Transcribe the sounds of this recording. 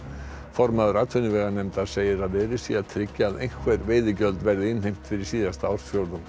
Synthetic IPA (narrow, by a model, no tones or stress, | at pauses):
fɔɾmaðɾat̪ʰʏnɪvɛɣanɛmt̪asejɪɾaleːɾɪsiːat̪ʰɾɪcːaðʔḛjnkʰvɛɾveːðɪcœld̪vɛɾðɪɪnhejm̥t̪fɪɾisiːðast̪aɔɾsfjowɾðən